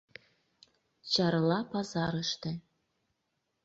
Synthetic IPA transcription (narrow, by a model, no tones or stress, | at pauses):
t͡ɕɑɾlɑpɑzɑɾəʃt̪ĕ